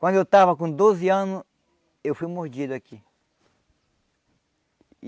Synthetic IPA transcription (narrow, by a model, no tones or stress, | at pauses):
kʷãnd̪et̪aβak̬ũnd̪os̬eanõ | efimõsd͡ʒid̪aki